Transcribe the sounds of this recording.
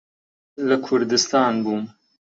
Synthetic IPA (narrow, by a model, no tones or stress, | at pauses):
lɐkʰʊɾd̪ɨst̪aːnbuːm